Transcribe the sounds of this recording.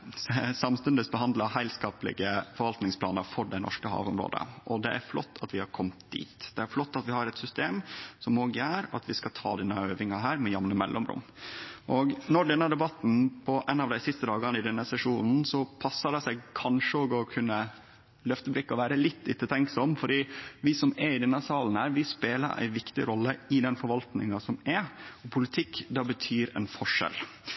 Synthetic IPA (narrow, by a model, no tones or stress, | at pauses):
sɑmst̪ʉnd̪əsbəhɑnd̪ləhæɪlskɑːplɪ̰ɡəfɔɾʋɑlt̪nɪŋspʰlɑ̰ːnəɾfɔɖæɪnɔ̰ʂkəhɑ̰ːʋʊmɾo̰ːd̪ə̰ʔɔd̪ɛʔæɾflɔ̰t̪ʰːɑt̪ʋɪhɑɾkʰɔmt̪̚d̪ḭːt̪d̪̥ɛæɾflɔt̪ːɑt̪ʋɪhɑɾɛt̪sʏst̪eːmsɔmoːɡjæːɾɑ̰t̪ʋɪskɑt̪ʰɑ̰ːd̪ɛnːəøːʋɪŋɑɦæːɾmɛjɑmnəmɛ̰lʔɔmɾʊ̰mː | ʔɔɡnɔɖɛnːəd̪ɛbɑt̪n̩pʰɔʔɛnɑʋd̪æɪsɪst̪əd̪ɑːɡɑnəɪd̪ɛnːəsɛʂuːnn̩sɔpʰɑsːɑdɛsæɪɡkʰɑnʂəoːɡɔkʰʉnːə | lœft̪əbɾɪkːɔʋæːɾəlɪt̪ʰːɪt̪ːət̪ʰɛŋksɔmfɔɖiːʋɪsɔmɛɪd̪ɛnːəsɑːln̩hæːɾʋɪspeːlə̰ɾʔæ̰ɪʋɪkt̪ɪ̰ɾɔlːəɪd̪ɛnfɔɾʋɑlt̪nɪ̰ŋɑsɔmɛɔpʰʊlɪt̪ʰɪkːd̪ɑːbət̪ʰyːɾɛ̰nfɔʂɛ̰l